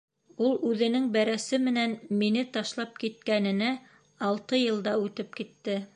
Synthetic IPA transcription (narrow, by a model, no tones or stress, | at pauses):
ulˠʉðɘ̆nɘŋbæɾæsɘmɘ̆nænminɘt̪ɑʃlˠɑp̚kit̪̚kænɘ̆næ | ɑlˠt̪ɤjɤ̆lˠd̪ɑʉt̪ɘp̚kit̪ːɘ